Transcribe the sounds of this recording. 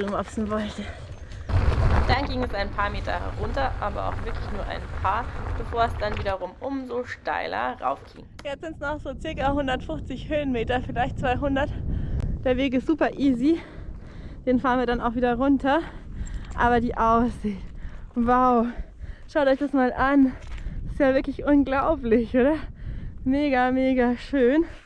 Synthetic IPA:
lʊmʔɔpsn̩vɔltə | d̥anɡiːŋɛsaɪnpʰaːɐmeːtɐ̰ɛ̰ʁʊntɐʔa̰ːbɐ̰ʔa̰ʊxv̥ɪɐklɪçnuːɐʔa̰ɪnpʰaːɐb̥əfoːɐɛsd̥anviːdɐʁʊmʔʊmzoʃta̰ɪlɐ̰ʁa̰ʊfɡ̥ḭːŋjɛt͡sz̥ɪntsnɔχz̥oːt͡sɪɐkaɦʊndɐtfʊft͡sɪçhøːənmeːtɐfɪlaɪçt̚t͡sv̥aɪɦʊndɐtd̥eːɐveːk̬ɪstz̥uːpɐʔiːzi | d̥eːnfaːɐənviɐdanaʊxv̥iːdɐʁʊntʰɐ | ʔa̰ːβɐdiːʔaʊsz̥ɪːtwaʊʃaʊtɔʏçd̥asmaːlʔanɪ̥stjaːvɪɐklɪçʔʊnɡlaʊplɪçʔoːɾɐ | meːɡameːɡaʃøːn

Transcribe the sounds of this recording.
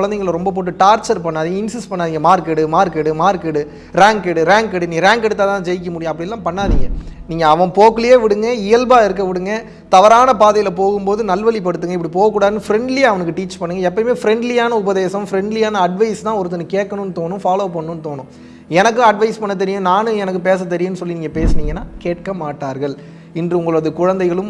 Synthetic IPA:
ɭɐnd̪eŋɡɐɭlɾɔmbɐp̬oːʈːɯʈaːɾt͡ʃɐɾpɐɳːaːðɪŋɡɐɪnsɪspɐɳːaːðɪŋɡɐmaːɾkɛɽɯmaːɾkɛʈɯmaːɾkɛɽɯ | ɾaːŋkɛɽɯɾaːŋkɛɽɯnĩːɾaːŋkɐɽɯt̪ːaːt̪ãːd͡ʒɛjɪk̬ʲːɐmʊɽɪjʊ̃ɐpːɐɽɪɛlːãːpɐɳːaːðɪŋɡɐniːŋɡɐːʋɐ̃poːkːɯlɐjeːʋɪɽɯŋɡɐɪjɐlbaːɪɾɯk̬ːɐʋɪɽɯŋɡɐ | t̪ɐʋɐɾaːnɐpaːðɐjɪlɐpoːɣɯmpoːðɯnɐlʋɐɭip̬ɐɽɯt̪ːɯŋɡɐɪpːɐɽipoːɣɐkːuːɽaːðɯnːɯfɪɾɛɳɖlɪjaːɐʋɐnɯk̬ːɯʈiːt͡ʃpɐɳːɯŋɡɐɛpːɐɾɪmeːfɪɾɛɳɖlɪjaːnɐʊbɐðeːsɐmfɪɾɛɳɖlɪjaːnɐɐɖʋɐɪst̪ãːɔɾɯt̪̬ːɐnɯkeːʈ̚kːɐnɯnːɯt̪oːnɯ̃faːloːpɐɳːɯ̃nːɯt̪oːnʊ̃ | ɛnɐk̬ːɯ̃ɐɖʋɐɪspɐɳːɐt̪̬ːɛɾɪjʊ̃naːnɯ̃ɛnɐkːɯpeːs̬ɐt̪ːɛɾɪjʊ̃nːɯsɔlːiniːŋɡɐpeːsniːŋɡɐnːaːkeːʈkɐmaːʈːaːɾɣɐɭ | ɪndrɯʊŋɡɐɭɯɐðɯkʊɻɐnd̪ɐɪɣɐɭɯm

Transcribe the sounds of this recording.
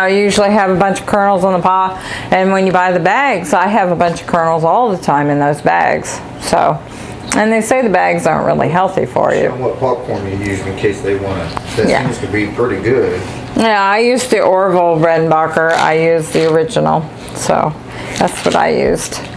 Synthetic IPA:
jʉʒl̩ˠiɨvəbʌ̃nt͡ʃʌv̥kʰɜ̃˞nl̩ˠzn̩ðəpʰɑpɨ̃nwə̃njɨbaɪðɨbæɡzaɪɨvəbʌ̃nt͡ʃʌ̥v̥kʰɜ̃˞nl̩ˠzɔlˠðətʰãɪ̃mɨ̃nðoʊzbæ̰ɡz̥ | soʊ | ʔɨ̃nðeɪseɪðɨbæɡzɑ̰ɹ̃nʔɹɪ̰lˠḭɦɛlˠθḭfə̰˞jʉ̰wʌt̚pʰɑk̚pʰɔ̃ɹmɨjʉzɨ̃nkʰeɪsðeɪwɑ̃nɨt̚ðɨjæ̰̃stɨbipʰɹ̥ɪɾiɡʊd̥ | jæaɪjʉzðiʔɔɹvl̩ˠɹɛdⁿn̩bɑkə˞a̰ɪjʉzðiə˞ɪd͡ʒɨn̩l̩ˠ | so̰ʊ | ðæ̰tswʌɾa̰ɪjʉ̰z̥d̥

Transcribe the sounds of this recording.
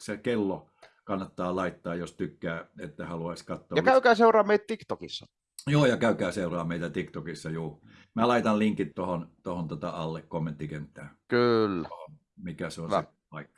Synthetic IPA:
sekelːo | kɑnːɑt̪ːɑːlɑˑit̪ːɑːjjost̪ykːæːet̪ːæhɑluɑisʲkɑt̪ːoːjɑkæykæːseurɑːmeit̪̚t̪ikt̪okisːɑ | joːjɑkæˑykæːseˑurɑːmeˑit̪æt̪ikt̪okisːɑjuː | mælɑˑit̪ɑlliŋkit̪t̪ohont̪ohont̪ot̪ɑɑlːekkomːent̪ːikent̪ːˑæːkylːæohon | mikæseonsæ | ɑˑikːɑ̥

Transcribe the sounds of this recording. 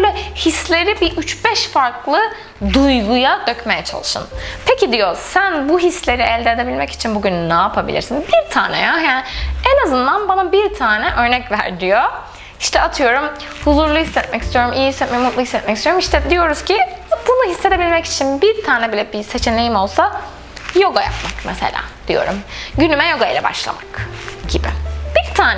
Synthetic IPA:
ølʲɛhislʲe̞ɾibiʔyt͡ʃbɛʃfaɾklˠɯ | d̪ujɡujad̪øcme̞jɛt͡ʃʰa̰lˠɯʃɯ̰npʰecʰid̪ijo̞sænbuɦislʲe̞ɾiɛlʲd̪eːd̪ebilʲmɛci̥t͡ʃʰinbuɟynnaːpʰabḭlʲḭɾsinbiɾt̪ʰaːnɛ̰jaɦæenazɯnd̪anbanabiɾt̪ʰaːnɛʔø̞ɾnɛcvæ̰ɾd̪ijo | i̥ʃt̪ʰɛat̪ʰɯjo̞ɾum | huzuɾlˠuhisːɛt̪̚mɛcist̪ʰijo̞ɾumʔijihisːɛt̪mɛjmut̪lˠuhisːɛt̪mɛcist̪ijoɾumiʃt̪ʰɛd̪ijo̞ɾuz̥cʰiat̪lɯlˠaɦisːed̪ʰebilʲmɛci̥t͡ʃʰinbiɾt̪ʰaːnɛbilʲɛbise̞t͡ʃʰe̞ne̞jimo̞lˠsa | jo̞ɡaja̰pmakmɛsḛlʲa̰ːd̪̥ijo̞̰ɾṵmɟynymɛjo̞ɡajilʲɛ̰ba̰ʃlˠa̰makɟibɪb̥iɾt̪ʰaːnɛ

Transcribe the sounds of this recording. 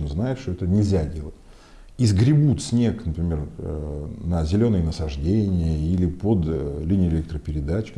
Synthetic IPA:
nəznajɪt̪ʂt̪oɛt̪ənʲɪlʲzʲadʲe̞lˠətʲ | izɡɾʲɪbut̪sʲnʲe̞knəpɾʲɪmʲe̞r | nəzʲɪlʲo̞nɨjənəsɐʐdʲenʲɪjəilʲɪpod̪lʲinʲɪjɪlʲek̚t̪ɾəpʲɪɾʲɪd̪at͡ɕkʲ

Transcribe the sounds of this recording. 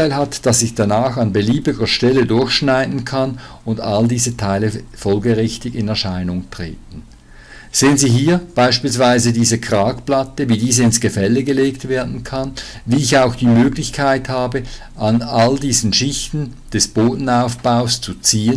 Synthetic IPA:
aɪlɦatd̥asɪçd̥anaːxanbəliːbɪɡɐʃtɛlədʊɐçʃnaɪdn̩kʰan | ʊndaldiːzətʰaɪləfɔlɡəʁɪçtɪɡɪnɛɐʃaɪnʊŋtʁ̥ḛːtn̩ | z̥eːənziːɦiːɐb̥aɪʃpiːlsv̥aɪzədiːzəkʁ̥aːkplatəviːdiːzəɪnsɡ̥əfɛlːəɡəleːktveːɐdn̩kʰanviːɪçaʊxd̥iːmøːɡlɪçkʰaɪthaːbə | ʔanaldiːzn̩ʃɪçtn̩ | d̥ɛsb̥oːdn̩aʊfb̥aʊst͡sut͡siːən

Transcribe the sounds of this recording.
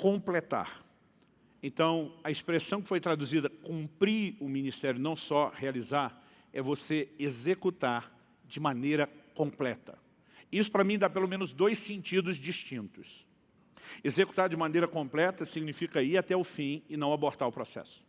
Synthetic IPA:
kõmplet̪a̰ɾ | ẽnt̪ɐ̃w̃ɐispɾesɐ̃w̃kɪ̥fojt̪ɾad̪uzid̪ɐkũmpɾiʊmĩnist̪ɛɾjʊnɐ̃w̃sɔhealizaɾ | ɛvoseezekut̪aɾ | d͡ʒɪmɐ̃nejɾɐkõplɛt̪ɐ̰ | isʊ̥pɾɐmĩd̪apelomẽnʊzd̪ojssẽnt͡ʃid̪ʊzd͡ʒist͡ʃĩnt̪ʊs | ezeku̥t̪aɾd͡ʒɪumɐ̃anejɾɐkõplɛt̪ɐsiɡnifikɐiɾat̪ɛʊfĩɪnɐ̃w̃aboɾt̪aɾʊpɾosɛ̰sʊ̥

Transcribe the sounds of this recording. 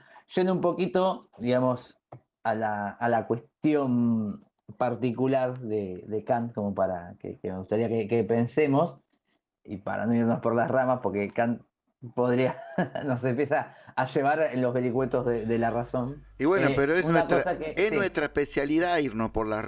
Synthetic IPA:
ʒ̥end̪umpo̞kit̪o̞d̪iɣamo̞s | alaːlakwe̞st̪jo̞m | paɾt̪ikulaɾðeðekant̪ko̞mo̞paɾa̰kḛkeme̞ɣust̪aɾiakekepensemo̞s | ḭpa̰ɾa̰no̞iɾnospo̞ɾlasramaspo̞ɾke̞kan̚ | po̞ðɾiano̞s̬empjesaːʃe̞β̞aɾenlo̞zβeɾikwet̪ozðeðelaraso̞niβwenopeɾoesunweak̪osakeesnwest̪ɾaehpesjaliðaiɾnospoɾla

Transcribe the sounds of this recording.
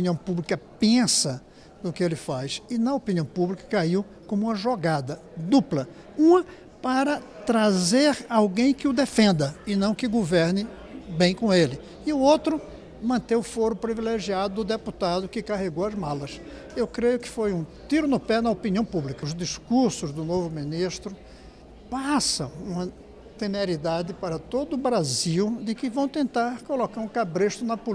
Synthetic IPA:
opiniɐ̃w̃publikɐpẽsɐ | d̪ʊkɪelɪfajsɪnɐopiniɐ̃w̃publikɐ̥kaiw | kõmũmɐʒoɡad̪ɐ | d̪uplɐ | ũmɐ | paɾɐt̪ɾazeɾawɡẽj̃kɪʊd̪efẽnd̪ɐɪnɐ̃w̃kɪɡoveɾnɪ | bẽj̃kõelɪ | ɪʊowt̪ɾʊ | mɐ̃nt̪ewʊfoɾʊpɾivileʒiad̪ʊd̪ʊd̪eput̪ad̪ʊkɪkaɦeɡowɐzmalɐs | ewkɾejʊkɪ̥fojũt̪iɾʊnʊpɛnɐopiniɐ̃w̃publikɐʊzd̪iskuɾsʊzd̪ʊnovʊmĩniʃt̪ɾʊ | pasɐ̃ũmɐ | t̪emeɾid̪ad̪ɪpaɾɐt̪od̪ʊːbɾaziwd̪ɪkɪvɐ̃w̃t̪ẽnt̪aɾkolokaɾũkabɾeʃt̪ʊnɐpo

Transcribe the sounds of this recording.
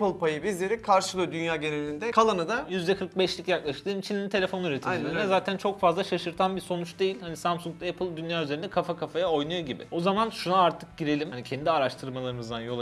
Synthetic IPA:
pɯlˠpʰajɯbizlʲeɾikʰaɾʃɯlˠɯjod̪ynjaːɟe̞nelʲind̪ɛkʰalˠanɯd̪ajyzd̪ɛkʰɯɾk̚bɛʃlʲicjaklˠaʃɯ̥klˠɯːnit͡ʃʰinʲːinint̪ʰe̞lʲefo̞nyɾet̪ʰid͡ʒileɾinɛzaːt̪ʰænt͡ʃʰo̞kfazlˠaʃaʃɯɾt̪ʰanbiso̞nut͡ʃd̪e̞jilʲhanisamsuŋk̚t̪epʰɯlˠd̪ynjaːyze̞ɾind̪ɛkʰafakʰafajao̞jnujoɟibɪ̰o̞zamanʃunaaɾt̪ʰɯk̚ɟiɾe̞lʲimhanicʰɛnd̪iaɾaʃt̪ʰɯɾmalˠaɾɯmɯzd̪anjo̞lˠ

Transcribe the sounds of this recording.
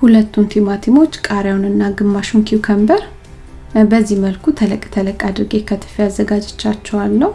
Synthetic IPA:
hulət̪ːunt̪ʰimat̪ʰimo̞t͡ʃːkʼaɾjawnɨnːaɡɨmːaʃunkʰiwukʰəmbəɾ | bəzːiməlkʰut̪ʰələkʼt̪ʰələkʼad̪ɨɾɨɡekʰət̪ʰɨ̥fiazːəɡad͡ʒɛt͡ʃːat͡ʃːɛwalːəh

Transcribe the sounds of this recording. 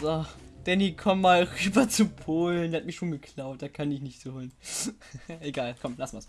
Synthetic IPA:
zod̥ɛnikʰɔmːaːlʁyːbɐt͡supʰoːlndeːhat̚miɐʃoːnɡəkʰl̥aʊt̚d̥aːkʰanɪçnɪçtz̥uhoːln | ʔeɡaːlkʰɔmlasn̩vɐs

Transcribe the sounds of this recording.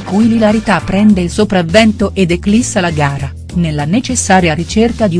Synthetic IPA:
kujlilaɾit̪apːɾɛnd̪eilsopɾavːɛnt̪oʔed̪eklisːalaɡaːɾa | nelːanet͡ʃesːaːɾjaɾit͡ʃerkad̪i

